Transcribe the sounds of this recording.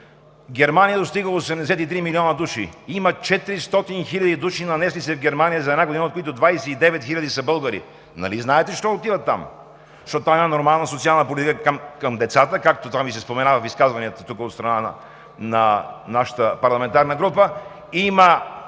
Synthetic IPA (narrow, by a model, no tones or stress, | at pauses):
ɡɛɾmanijəd̪ost̪iɡəosɛmd̪ɛsɛt̪it̪ɾimiliɔnəd̪uʃiimət͡ʃɛt̪iɾist̪ɔt̪inxilʲɐd̪id̪uʃinɐnɛslit̪sɛvɡɛɾmanijəzɐɛd̪naɡod̪inot̪koit̪ʊd̪vajsɛid̪ɛvɛt̪xilʲɐd̪isɐbɤlˠɡəɾḭ | nɐ̰liznaɛt̪ɛʃt̪ɔot̪ivət̪ːa̰m | zʃt̪ɔt̪ot̪vaɛmanoɾmalˠnəsot̪sialˠnəpolʲit̪ikəkəmkəmd̪ɛt̪sat̪əkak̚t̪ot̪amvisɛspomɛnavəfiskazvɐniət̪ət̪ukəot̪st̪ɾɐnan̰ | nɐnaʃə̥t̪əpɐɾlˠɐmɛnt̪aɾnəɡɾupə | imə